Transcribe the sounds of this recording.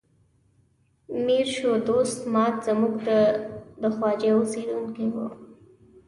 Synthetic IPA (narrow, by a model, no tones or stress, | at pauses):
miɾʃod̪ost̪mɑt̪z̥amuɡd̪əd̪əxwɑd͡ʒeosed̪unkiwṵ